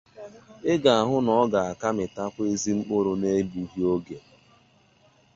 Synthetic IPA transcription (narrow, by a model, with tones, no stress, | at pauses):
ɪ˦ɡa˨a˨ɦʊ˦nɔ˨ɔ˦ɡa˨a˨ka˦mɪ˨ta˦kʷe˦zi˦ŋ͡m̩˦k͡pʊ˦ɾo˨ne˦bu˨ɦi˦o˦ɡe˨